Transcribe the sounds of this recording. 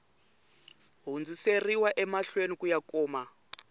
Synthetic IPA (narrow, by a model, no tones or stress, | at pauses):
ɦund͡ziseriwaʔɛmaɬwenikujakɔːma